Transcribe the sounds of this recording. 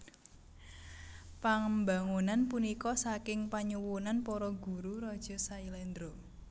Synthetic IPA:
paŋmbaŋunanpunikɔsakɪŋpaɲuwunanpɔɾɔɡ̥ṳɾuɾɔd̥ʒ̥ɔ̤sailɛnd̪ɾo

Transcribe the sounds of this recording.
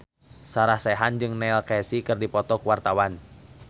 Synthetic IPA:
saɾahsɛɦand͡ʒɨŋnɛlkɛsikɨrdipɔt̪ɔkuwart̪awan

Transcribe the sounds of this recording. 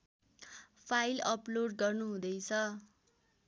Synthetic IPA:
pʰailʌploɖɡʌrnuɦũd̪ʌjt͡sʰʌ

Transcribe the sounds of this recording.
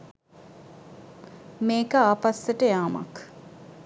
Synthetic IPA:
meːkəaːpasːəʈəjaːma̰k

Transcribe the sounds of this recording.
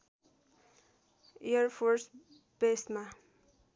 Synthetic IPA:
eʌrpʰors | b̥esma

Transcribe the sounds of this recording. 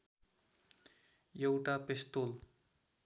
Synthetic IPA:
jewʈapest̪ol

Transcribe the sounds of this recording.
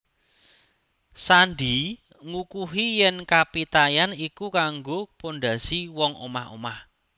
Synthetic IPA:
sanɖi | ŋukuɦijɛnkapit̪ajanikukaŋɡoponɖa̤siwɔŋo̰maho̰mah

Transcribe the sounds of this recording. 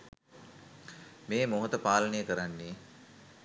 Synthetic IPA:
meːmoɦot̪əpaːlənejəkəɾanːiː

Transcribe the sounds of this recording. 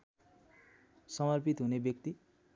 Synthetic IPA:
sʌmʌrpit̪ɦunebjʌkt̪i

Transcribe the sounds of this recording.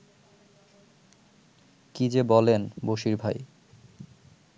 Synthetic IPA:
kid͡ʑebɔlenboʃiɾbʱaj

